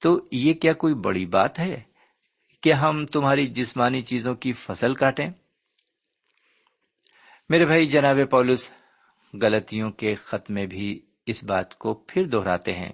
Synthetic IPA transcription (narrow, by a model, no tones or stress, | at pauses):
t̪oːjekjaːkoːibɐ̰ɽiba̰ːt̪ɦɛː | keɦɐmt̪ʊmɦaːɾid͡ʒɪsmaːnit͡ʃiːzõkifɐsəlkaːʈẽː | meːɾebʱaːid͡ʒɐnaːβepɔːlʊs | ɣɐlət̪ijõkexɐt̪mẽbʱi | ɪsba̰ːt̪kopʰɪɾd̪ɔːɾa̰ːt̪eɦɛ̰̃ː